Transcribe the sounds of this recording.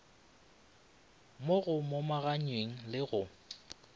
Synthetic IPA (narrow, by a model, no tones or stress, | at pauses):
moɣʊmomaɣaɲweŋ̩lɪɣʊ